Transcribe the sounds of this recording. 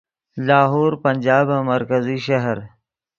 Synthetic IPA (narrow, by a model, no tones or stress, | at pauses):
laːɦoːɾpɐnd͡ʒaːbamɐɾkəziʃɐɦɾ